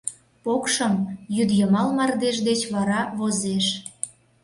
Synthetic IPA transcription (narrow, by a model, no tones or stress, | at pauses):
pokʃəmjyd̪jəmɑlmɑrd̪eʃd̪et͡ɕβɑɾɑβozeʃ